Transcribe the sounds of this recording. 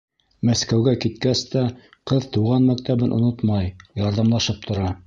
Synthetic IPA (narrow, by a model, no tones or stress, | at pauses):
mæskæwɡækit̪̚kæst̪æ | qɤðt̪uʁɑnmækt̪æβɘnʔŏ̰not̪mɑjjɑɾðɑmlˠɑʃɤp̚t̪ʰŏɾɑ